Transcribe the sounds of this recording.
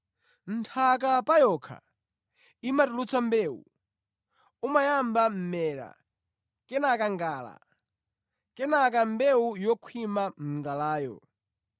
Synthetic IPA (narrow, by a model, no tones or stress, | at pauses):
n̩tʰak̬apajɔkʰa̰ | imatulut͡sʰambɛːṵ | umajambam̩mɛːɾa̰ | kɛnakaŋɡaːla̰ | kɛnak̬ambɛujɔkʰwimam̩ŋɡalaːjɔ̰